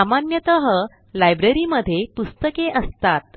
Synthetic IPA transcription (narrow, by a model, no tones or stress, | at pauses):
amanjət̪əɦə | lajbɾeɾiməd̪ʱːjepust̪əkeʔəst̪at̪̚